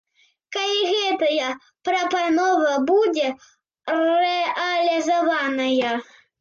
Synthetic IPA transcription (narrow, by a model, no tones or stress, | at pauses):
kɐiɣɛt̪ɐjɐ | pɾɐpɐnoɔvɐbudʲe | rɛʔɐlʲɪzɐvanɐjɐ